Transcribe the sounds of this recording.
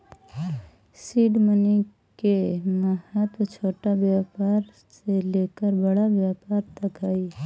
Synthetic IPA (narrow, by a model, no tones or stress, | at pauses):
siːɖməni | keməhət̪t͡ʃʰoːʈabjaːpaːɾ | seleːkəɾbəɽabjaːpaːɾt̪ɐkaːi